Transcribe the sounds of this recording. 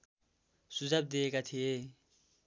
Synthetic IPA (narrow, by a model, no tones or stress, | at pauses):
sud͡zab̚d̪iekat̪ʰije